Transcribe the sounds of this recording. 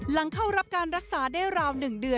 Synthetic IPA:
la˩˦ŋkʰa˥˩wɾa˦˥p̚kaː˧nɾa˦˥k̚saː˩˦daː˥˩jɾaː˧wnɯ˨˩ŋdɯ˧ə

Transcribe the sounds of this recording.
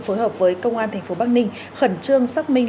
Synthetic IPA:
foː˨˦jɦəː˨˩p̚vəː˨˦jkə˧wŋ͡mʔaː˧nt̪ʰɛ˨˩ŋ̟fo˨˦ɓaː˦˥k̚nï˧ŋ̟ | xə˧˩nt͡ɕɨ˧əŋsaː˦˥k̚mï˧ŋ

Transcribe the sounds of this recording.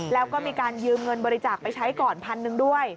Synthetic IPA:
lɛː˦˥wkɔː˥˩miː˧kaː˧njɯː˧mŋɤ˧nbɔː˧ɾi˧t͡ɕaː˨˩k̚pa˧jt͡ɕʰa˦˥jkɔː˨˩npʰa˧nːɯ˧ŋdu˥˩əj

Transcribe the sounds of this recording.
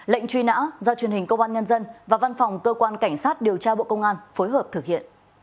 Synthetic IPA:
lə̰˧˨jŋ̟t͡ɕwi˧na̰ː˧˥zɔ˧t͡ɕwi˨˩ənhi˨˩ŋ̟kə˧wʔaː˧nɲə˧nzə˧nvaː˨˩va˧nfɔ˨˩wŋ͡mkəː˧kwaː˧nka˧˩jŋ̟saː˦˥t̚ɗi˨˩əwt͡ɕaː˧ɓo̰˧˨kə˧wŋ͡mʔaː˧nfo˨˦jɦəː˨˩p̚t̪ʰɨ˨˩k̚hḭ˧˨ən

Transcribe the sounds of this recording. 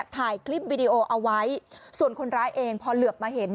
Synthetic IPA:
t̪ʰaː˨˩jkʰli˦˥˩p̚wiː˧diː˧ʔoː˧ʔa˧wa˦˥jsu˨˩ənkʰo˧nɾaː˦˥jʔeː˧ŋpʰɔ˧lɯ˨˩əp̚maː˧ɦe˩˦n

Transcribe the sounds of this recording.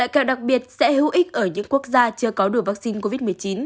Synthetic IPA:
la̰ː˧˨jkaː˧˩wɗa˨˩k̚ɓi˨˩ət̚sɛ̰˧˥hɨ̰˧˦wʔï˦˥k̚ʔəː˧˩ɲɨ̰˧˥ŋku˦˥ək̚zaː˧t͡ɕɨ˧əkɔ˨˦ɗu˧˩əvaː˦˥k̚si˧nko˧vi˦˥t̚mɨ˨˩jt͡ɕi˨˦n

